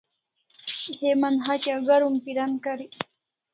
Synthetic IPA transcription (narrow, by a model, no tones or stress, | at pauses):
hemanɦat͡ʃaɣaɾumpiɾankaɾi